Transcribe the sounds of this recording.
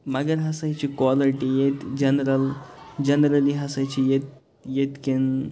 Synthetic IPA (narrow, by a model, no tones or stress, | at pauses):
mɐɡəɾɦɐsɐjt͡ʃikwaliʈijet̪d͡ʒɐnɾəld͡ʒɐnɾɐliɦɐsɐt͡ʃʰijet̪ | jet̪ken